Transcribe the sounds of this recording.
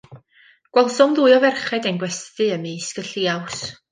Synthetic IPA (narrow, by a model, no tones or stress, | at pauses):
ɡ̥wɛlˠsɔmðuːɨɔvɛrχɛdɛnɡwɛstɨəmiːskəɬiːaws